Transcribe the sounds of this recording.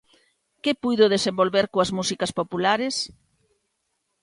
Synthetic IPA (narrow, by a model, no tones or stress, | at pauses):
kɪpujðʊðesembolβeɾkoɐzmusikɐspopulaɾɪs